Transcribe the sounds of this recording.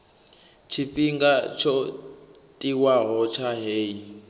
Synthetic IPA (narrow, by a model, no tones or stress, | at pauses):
t͡ʃʰiɸiŋɡat͡ʃʰɔ | tʼiwaɦɔt͡ʃʰaɦeːi